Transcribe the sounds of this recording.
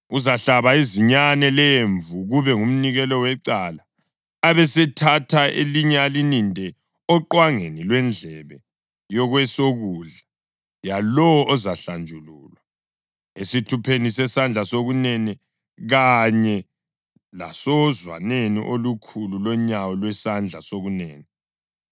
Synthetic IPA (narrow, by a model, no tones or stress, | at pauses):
uzaɬaβaiziɲanɛleɛɱvuɣuβɛŋum̩niɣɛlɔwɛǀalaː | βɛsɛtʰatʰaḛliɲɛalinindʱɛ | ɔǃwaŋenilwɛnd͡ɮʱɛβɛ | jɔɣwɛsoɣuɮa | jalɔwɔʔɔzaɬand͡ʒʱuluːlwa | esitʰupʰenisɛsand͡ɮʱasoɣunɛnɛ | ɣaɲɛ | la̰sɔzwa̰nenḭʔolukʰululɔɲawɔlwɛsand͡ɮʱasoɣunɛːnɛ